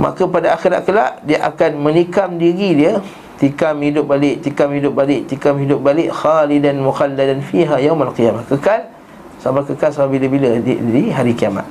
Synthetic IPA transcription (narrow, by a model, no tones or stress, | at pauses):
ma̰kəpadaaxiɾa̰ʔ̚kəla̰ʔdiaʔa̰kanmə̃nikamdiɣidiə | t̪ikamhidʊp̚balɪʔt̪ikamhidʊp̚balɪʔt̪ikamɦidʊp̚balɪʔxalidanmuxalːadanfiɦajawmalqijamahkəkal | samakəkalsamabiləbiləiɦaɾikiama̰t̪̚